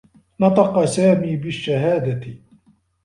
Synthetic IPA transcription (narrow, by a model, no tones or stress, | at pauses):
nɑt̪ˤɑqɑsaːmiːbɪʃːaɦaːd̪at̪ɪ